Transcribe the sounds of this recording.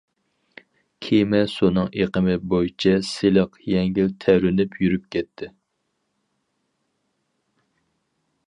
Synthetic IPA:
kʲʰemɛsunɨŋʔeqəmɪbojt͡ʃʰɛseləqjɛŋɡʲilt̪ʰɛɾynypʰjyɾyp̚kʲɛt̪ʰːɪ

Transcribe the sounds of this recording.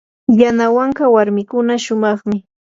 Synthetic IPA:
janawaŋkawaɾmɪkʊnaʃʊmɑχmɪ

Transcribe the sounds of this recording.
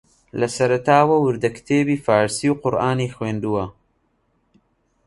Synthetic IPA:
lɐsɐɾɐt̪aːwɐwɨɾd̪ɐkt̪ʰeːbiːfaːɾsiwqʊɾʔaːnixweːnd̪uwɐ

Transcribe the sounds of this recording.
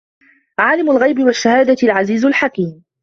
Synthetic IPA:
ʕaːlɪmʊlɣajbɪwaʃːahaːd̪alʕaziːzʊlħakiːm

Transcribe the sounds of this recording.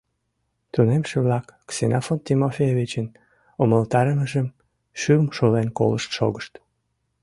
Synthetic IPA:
t̪unemʃeβlɑkːsenɑfont̪ʲimofʲejevʲit͡ɕən | oməlt̪ɑɾəməʒəm | ʃymʃolenko̰ləʃt̪ʃo̰ɣəʃt̪

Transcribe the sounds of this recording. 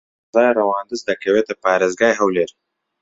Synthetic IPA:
zɑːjɾawɑːnd̪əzd̪akɐwet̪apɑːɾɪzɡɑjɦawleɾ

